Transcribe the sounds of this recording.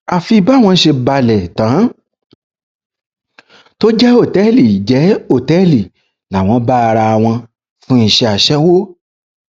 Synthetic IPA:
a˨fi˧ba˦˨w̃ɔ̃˧ʃe˧ba˧lɛ˨tã˨˦ | to˦d͡ʒɛ˦o˦˨tɛ˦li˨d͡ʒɛ˨˦o˦˨tɛ˦li˨ | la˨w̃ɔ̃˧˦ba˦˧ɾa˧˨w̃ɔ̃˧ | fũ˦i˧˨ʃɛ˧a˨ʃɛ˦wo˦

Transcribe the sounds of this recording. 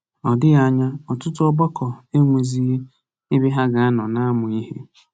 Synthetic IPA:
ɔ˨dɪ˦ɣa˦ɲa˦ɔ˨tʊ˦tʊ˦ɔ˦bɔ˦kɔ˨e˦ŋʷe˨zi˦ | i˦bi˦ɦa˦ɡa˨a˦nɔ˨na˦a˦mʊ˨i˦hḛ˦

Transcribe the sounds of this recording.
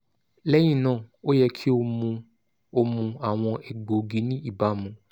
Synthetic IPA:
lɛ˦j̃ĩ˦˨nãː˦˨o˦jɛ˧kʰi˦o˧ | o˧mũ˧a˨w̃ɔ̃˧ɛ˨ɡo˨ɡi˧nĩ˦i˦˨ba˨˦mũ˨˧

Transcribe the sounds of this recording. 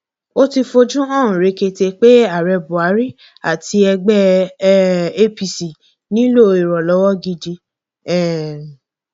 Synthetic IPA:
o˦ti˧fo˧d͡ʒũ˦ɔ̃˦˨ũ˨ɾe˨˧ke˧te˧k͡pe˦a˦˨ɾɛ˧bu˨a˨˦ɾi˦ | a̰˨ti˧ɛ˧ɡ͡bɛ˦ | e˦pi˨si˨ | nĩ˦lo˦˨i˨ɾɔ˨lɔ˨˦wɔ˦ɡi˧d͡ʒi˧ | ɛ˦˨

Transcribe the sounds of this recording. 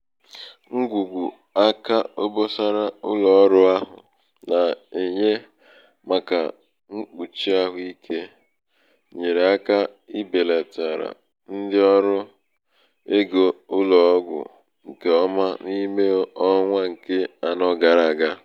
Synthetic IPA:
ŋ̩˦ɡʷu˨ɡʷu˨ | a˦ka˦o˦bo˦sa˦ɾa˦ʊ˦lɔ˨˦ɾʊ˦a˦ɦʊ̰˨ | na˨e˨ɲe˦ | ma˨ka̰˨ | ŋ̩˦k͡pu˨t͡ʃi˦a˦ɦʊ˨i˦kʰe˦ | ɲe˨ɾe˨a˦ka˦ | i˦be˨le˨ta˨ɾa̰˨ | n̩˦dɪ˦ɔ˦ɾʊ˦ | e˦ɡo˨ʊ˦lɔ˨˦ɡʷʊ̰˨ | ŋ̩˨ke˨ɔ˦ma˦ni˦me˦ɔ˦ŋʷa˦ŋ̩˨ke˦a˨nɔ˦ɡa˨ɾa˨ɡa˦

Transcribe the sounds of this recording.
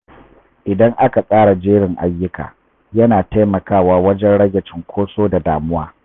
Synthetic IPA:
ʔɪ˨dɐ˦ŋʔa˦ka˨sʼaː˦ɽa˨d͡ʒeː˦ɽɪ˨ŋʔa̰˨jːʊ˦ka̰ː˨ | jɐ˦naː˨ta˦jmɐ˨kaː˦waː˦wɐ˦d͡ʒɛ˦nɽɐ˦ɡʲɐ˨t͡ʃɪ˦ŋkʷʰoː˦soː˦da˨daː˨mʊ˦waː˦

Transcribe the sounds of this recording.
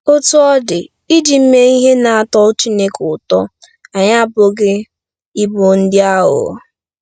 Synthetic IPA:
o˦tu˦ɔ˦dɪ˨ | i˦d͡ʒi˨m̩˦me˦i˦ɦe˦na˨a˦˨tɔ˦ʊ˦t͡ʃi˦ne˦kʊ˨tɔ˦ | a˨ɲa˦bʊ˦ɡɪ˦ | i˦bo˨n̩˦dɪ˦a˦ɦʊ̰˨

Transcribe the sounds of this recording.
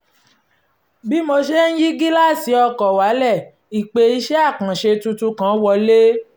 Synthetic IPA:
bi˦mo˧ʃe˦n̩˦ji˦ɡi˦la˦˨si˨˦ɔ˧kɔ˨wa˨˦lɛ˦˨ | i˨k͡pe˧i˧˦ʃɛ˦a˦˨kã˨ʃe˧tu˧tu˧kã˨˦wɔ˧le˦

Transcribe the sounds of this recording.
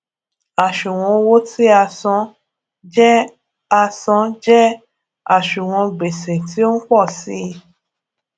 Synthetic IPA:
a˨ʃu˨w̃ɔ̃˧wo˦ti˦a˧sɔ̃˧˦ | d͡ʒ | a˧sɔ̃˧˦d͡ʒɛ˦ | a˦˨ʃũ˨w̃ɔ̃˧ɡ͡be˨sẽ˨ti˨˦o˦n̩˦k͡pɔ˦˨si˨˦˧

